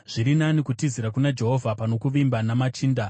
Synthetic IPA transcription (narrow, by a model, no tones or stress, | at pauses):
ʐ̥iɾinanikutiziɾakunad͡ʒe̞ɦo̞vʱapano̞kuʋimbanamat͡ʃiːnda